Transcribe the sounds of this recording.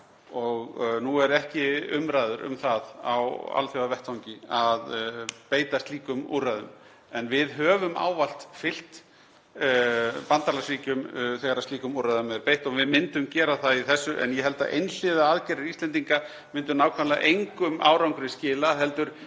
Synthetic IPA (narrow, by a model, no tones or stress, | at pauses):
ɔɣnuɛɾɛhcɪʏmɾajðʏɾʏ̰mθaða̰wa̰lθjowavɛht̪sawŋcɪaðpeːjt̪ast̪liːkʏmṵrːaðʏ̰m | ɛnvɪðɦœːvʏma̰ːwval̥t̪fɪl̥t̪ | pant̪aɾlasviːcʏmθɛɣaɾast̪iːkʏmuraðʏmɛðpejht̪ɔɣvɪðmɪnt̪ʏmcɛːɾaθaðiθɛsːʏʔɛ̰njɛɦɛl̪t̪a̰ʔḛjnslɪðaaðcɛːɾɪist̪ɛnt̪iŋka | mɪnt̪̬ʏnaːwkʰvanlaʔejŋkʏmʔa̰ːwɾawŋkɾɪscɪːlaɦɛlt̪ʏɾ̥